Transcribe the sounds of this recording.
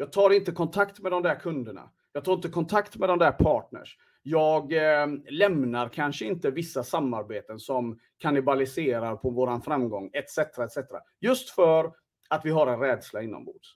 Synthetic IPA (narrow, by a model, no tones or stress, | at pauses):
jɑːɡ̚t̪ʰɑːɾɪnt̪əkʰɔnt̪ʰakt̪mɛd̪ɔmd̪æːɾkʰɵnd̪əɳa̰ | jɑːɡ̚t̪ɑːɾɪnt̪əkʰɔnt̪ʰakt̪mɛd̪ɔmd̪æːɾpʰɑːʈ̚ɳə̰ʂ | jɑːɡlɛmnaɾkʰanʂəɪnt̪əvɪsːasamːaɾbeːt̪ənsɔm | kʰanɪbalɪseːɾaɾpʰɔvoːɾanfɾamːɡɔŋːɛt̪sɛt̪ɾaɛt̪sɛt̪ɾa̰ | jɵst̪fœɾ | at̪vɪɦaɾɛnɾɛːd̪slaɪnːɔ̰mbṵːd̪s